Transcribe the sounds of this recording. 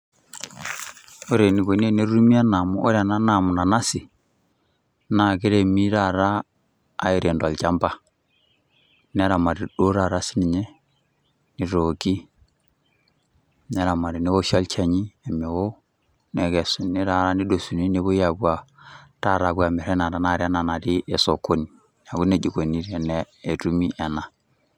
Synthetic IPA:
o˦ɾe˨ni˨βɔ˨ne˦ne˦ɾu˦mi˦a˦na˨mɔ˦ʔɔ˦ɾa˨na˦na˨mɔ˨na˨na˦si˨ | na˨ke˦ɾɛ˨mi˦ɾa˨ɾa̰ː˦˨ | e˨ɾɛ˨ndwa˨lt͡ʃa˦mba˦ | nɛ˦ɾa˨ma˨ɾi˨ɗo˦ɾa˨ɾa˦si˦ni˨ɲɛ˦ | ni˨ɾɔ˨ki˦ | nɛ˦ɾa˨ma˨ɾi˨ni˦wo˦ʃɔ˦lt͡ʃɛ˨ɲi˦e˨mɛ˨wo˦ | nɛ˨ɡɛ˨su˨ni˦ɾa˨ɾa˦ni˦do˨su˨ni˦ne˦βu˦ja˨bu˦a˨ta˦˨ɾa˨bu˦a˨mɛ˨ɾɛ˦na˨ɾa˦na˦˨ɾa˦na˨na˨ɾi˦ʔe˨so˨ko˦ni˨ | na˨ɡu˦ne˨d͡ʒi˨ɡo˨ni˦ɾɛ˨nɛː˦˨tu˦mi˦ʔɛ˨na˨

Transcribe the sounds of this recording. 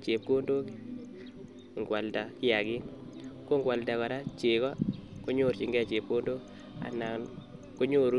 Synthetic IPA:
t͡ʃe˨p̚ko˦ndo˦ki˦ | ŋ˨ɡwa˨lda˨kɪ˦a˨ɡɪ˦ | ko˦ŋɡwa˨lda˨kɔ˨ɾa˦t͡ʃe˨kɔ˦ko˦ɲo˦˨ɾt͡ʃi˨ŋɡɛ˦˨t͡ʃe˨p̚ko˦ndo˦k | a̰˨na˨n | ko˦ɲo˦˨ɾ

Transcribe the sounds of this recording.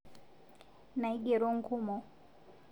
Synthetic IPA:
na˨i˦ɡɛ˨ɾɔ˦ŋ̩˨kʰu˦mɔ˨

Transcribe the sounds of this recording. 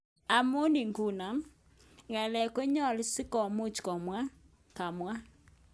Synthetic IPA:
a˨mʊ˦ni˨ŋɡu˦˨na˨ | ŋɛ˨lɛ˨ke˦ɲɔ˦˨lsɪ˦kɔ˨mʊ˦t͡ʃkɔ˨mwa˦ | ka˨mwa˦

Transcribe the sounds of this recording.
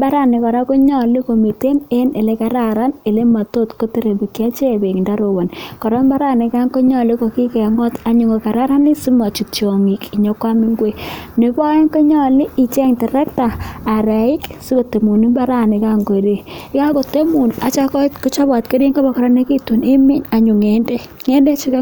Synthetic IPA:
ba˦ɾa˦˨nɪ˨kɔ˨ɾa˦ko˦ɲɔ˨li˦ko˨mi˨te˦ne˦ne˨le˨˦ka˦ɾa˦ɾa˦ne˨le˦ma˨to˦tko˦te˦ɾe˨bi˨kja˦t͡ʃe˦˨be˨ŋnda˦ɾo˨wa˨nkɔ˨ɾɔ˦mba˦ɾa˦nɪ˨ka˦ŋko˦ɲɔ˨li˦ko˨ki˦kɛ˨ŋɔ˦ta˨ɲʊ˨ŋo˨ka˨ɾa˦ɾa˦ni˦si˦ma˨t͡ʃu˨t͡ʃo˨ŋi˨ki˨ɲɔ˨˦kwa˦mi˦ŋɡwe˦ne˨ba˦e˦ŋko˦ɲɔ˦li˦i˨t͡ʃɛ˦ŋtɪ˨ɾɛ˦ktaː˨ɾa˨ɪ˦ksi˦ko˨te˨mu˨ni˦ba˦ɾa˦˨ni˨ka˦ŋko˨ɾi˨˦ka˦ko˨te˦mu˨na˨t͡ʃa˦kɔ˦tko˦t͡ʃa˦ba˨tke˦ɾi˦ŋɡo˦ba˨kɔ˨ɾɔ˦ne˦ki˦tu˨ni˦mi˦na˨ɲu˨ŋe˦nde˦ | ŋe˦nde˦t͡ʃi˦ka˦

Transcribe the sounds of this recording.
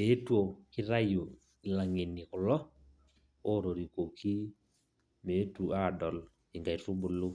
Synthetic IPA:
e˨˦two˨kɪ˦ɾa˦jo˨ | ɪ˨la˨ŋɪ˨nɪ˨kʊ˨lɔ˦ | o˦ɾo˨ɾi˨ko˨kʰi˦ | me˨˦tu˨a˦˨dɔ˨l | ɪ˨ŋɡa˨i˨ru˦bʊ˨lʊ˦

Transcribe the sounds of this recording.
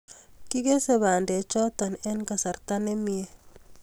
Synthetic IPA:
ki˦ɡe˦se˦βa˨nde˨t͡ʃɔ˦t̪ɔ˨nɛ˦nka˨sa˨ɾt̪a˦ne˦mi˦e˦

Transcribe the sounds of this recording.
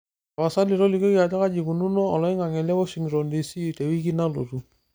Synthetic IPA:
a˨βa˨sa˦li˨ɾɔ˦li˨kɔ˦ki˦a˨ta˦ka˦d͡ʒi˨ku˨nu˦nɔ˦ɔ˨lɔ˨ɪ˦ŋa˨ŋɛ˨lɛ˦wɔ˦ʃi˨ŋɾɔ˨ndi˨si˦˨tɛ˨wi˦k̬i˦na˦lo˨tu˨

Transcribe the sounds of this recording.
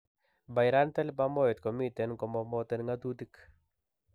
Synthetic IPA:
ba˨ɪ˨ɾa˦nt̪ɛ˦lba˦mɔ˦ɛ˨t̪kɔ˨mi˦t̪ɛ˨nkɔ˨mɔmɔt̪ɛ˦nŋa˦t̪u˦t̪i˦k

